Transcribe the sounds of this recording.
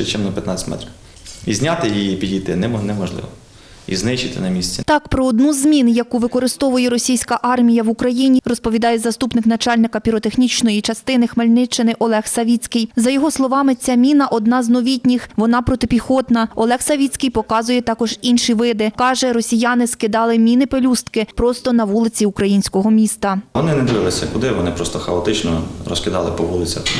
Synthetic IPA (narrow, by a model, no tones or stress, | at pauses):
ɛt͡ʃɪmnɐpʲjɐt̪nɑ̰t͡sʲt̪ʲmɛ̰t̪ɾʲi | izʲnʲat̪ɪjijipʲidʲijt̪ɪ̰nɛnɛmɔʒlˠɪ̰ʋɔ | ḭznɪʃt͡ʃɪt̪ɪ̰nɐmʲisʲt͡sʲit̪ɑkpɾɔːd̪nuzʲmʲinjɐkuʋɪkɔɾɪst̪ɔʋʊjɛɾɔsʲijsʲkɐʔɑrmʲijɐʋʊkɾɐjinʲirɔspɔʋʲid̪ɑjɛzɐst̪upnɪknɐt͡ʃɑlʲnɪkɐpʲiɾɔt̪exnʲit͡ʃnɔjit͡ʃɐst̪ɪnɪxmelʲnɪt͡ʃːɪnɪʔɔlˠɛxsɐʋʲit͡sʲkɪjzɐjɔɦɔslˠɔʋɑmɪt͡sʲːamʲinɐʔɔd̪nɑznɔʋʲitʲnʲixʋɔnɑpɾɔt̪ɪpʲixɔt̪nɐɔlˠɛxsɐʋʲit͡sʲkɪjpɔkɑzʊjɛt̪ɑkɔʒinʃiʋɪd̪ɪkɑʒɛɾɔsʲijanɪskɪd̪ɑlˠɪmʲinɪpelʲust̪kɪpɾɔst̪ɔnɐʋulˠɪt͡sʲiukɾɐjinʲsʲkɔɦɔmʲist̪ɐʋɔnɪnɛd̪ɪʋɪlˠɪsʲɐkʊd̪ɪʋɔnɪpɾɔst̪ɔxɐɔt̪ɪt͡ʃnɔ̰ɾɔskɪd̪ɑlˠɪpɔʋulˠɪt͡sʲɐ̰x